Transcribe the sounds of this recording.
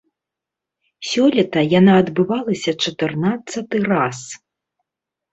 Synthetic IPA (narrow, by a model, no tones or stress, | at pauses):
sʲɔlʲɐt̪ɐjanaːd̪bɨvalˠɐsʲɐt͡ʂɐt̪ɨrnat̪sːɐt̪ɨras